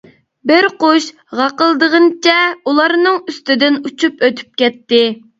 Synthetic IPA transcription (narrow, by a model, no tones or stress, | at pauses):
bɪɾqoʃ | ʁɑqəlˠd̪əʁənt͡ʃʰɛulˠɑɾnɨŋyst̪ɪd̪ɪnut͡ʃʰupøt̪ʰy̥p̚kʲɛt̪ːɪ